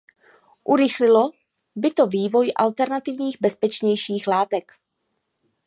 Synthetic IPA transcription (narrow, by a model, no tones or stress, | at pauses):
ʔuɾɪxlɪlo | bɪt̪oviːvo̞jʔa̰lt̪ɛɾnat̪ɪvɲiːɣbɛspɛt͡ʃɲɛjʃiːxlaːt̪ɛk